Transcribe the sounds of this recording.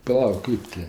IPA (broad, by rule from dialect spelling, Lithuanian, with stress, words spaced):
pɐˈlˠɐʊk ˈkɜp tʲɪ